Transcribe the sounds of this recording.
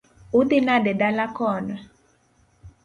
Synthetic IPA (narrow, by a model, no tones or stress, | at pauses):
ʊd̪ɪnadɛdalakɔnɔ